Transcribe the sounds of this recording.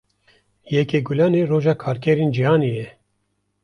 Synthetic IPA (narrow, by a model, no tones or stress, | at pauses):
jɛkeːɡulɑːneːroːʒɑːkʰɑːɾkʲʰɛɾeːnd͡ʒihɑːnejɛ